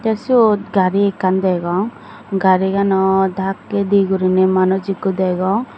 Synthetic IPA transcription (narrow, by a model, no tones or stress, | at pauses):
t̪ɛsioɡaɾiekand̪ɛɡɔŋ | ɡaɾiɡanɔd̪ʱakːed̪iɡuɾinɛmanɔd͡ʒikud̪ɛɡɔŋ